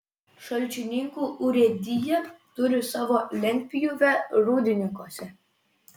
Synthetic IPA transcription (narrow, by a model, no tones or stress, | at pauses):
ʃɐlʲˑt͡ʃʲɪnʲɪŋkuːʔʊɾʲɛd̪ʲɪjɛt̪ʊɾʲɪsɑːʋoːlʲɛŋʲkʲpʲɪjuʋʲɛɾuːd̪ʲɪnʲɪŋkoɔsʲɛ